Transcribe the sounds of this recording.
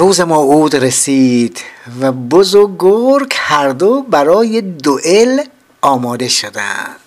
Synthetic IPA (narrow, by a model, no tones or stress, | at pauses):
ɾuːzemɔːuːd̪ɾesiːd̪̥væbozoɡoɾɡhæɾd̪obæɾɒːjed̪oʔel | ɒːmɒːd̪e̞ʃod̪æ̰nd̪̥